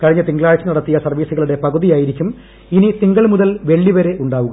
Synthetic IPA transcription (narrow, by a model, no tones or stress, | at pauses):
kɐɻiɲːɐt̪iŋɡɐɭaːɻɐt͡ɕːɨnɐɽɐt̪ːijɐsɐrʋiːsuɣɐɭuɽe̞pɐɣuðijaːjiɾikʲːum | init̪iŋɡɐɭmuðɐlʋe̞ɭːiʋɐɾe̞ʔuɳɖaːʋuɣɐ